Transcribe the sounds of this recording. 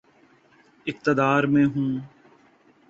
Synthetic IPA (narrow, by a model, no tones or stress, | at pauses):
ɪk̚t̪əd̪aːɾmẽːɦũː